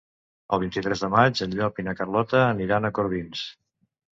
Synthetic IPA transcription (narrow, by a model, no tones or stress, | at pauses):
əlˠβ̞int̪it̪ɾɛzðəmad͡ʒənʎɔpinəkərlɔt̪əːniɾanəkoɾβins